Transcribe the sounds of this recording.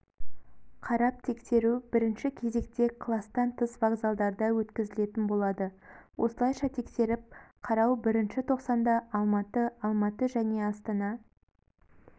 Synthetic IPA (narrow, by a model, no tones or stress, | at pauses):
qʰɑɾɑp̚t̪ʰe̞kse̞ɾubɪɾɪnʃɪkʲʰe̞ze̞k̚t̪e̞qʰlˠɑst̪ɑnt̪ʰəsvaɡzalˠd̪ɑɾd̪ɑwɵt̪kʲɪzɪle̞t̪ɪnbo̞lˠɑd̪əwʔo̞̰səlˠɑjʃɑt̪ʰe̞kse̞ɾɪp̚qʰɑɾɑwbɪɾɪnʃɪt̪ʰo̞qsɑnd̪ɑɑlˠmɑt̪əɑlˠmɑt̪əʒæne̞ɑst̪ɑnɑ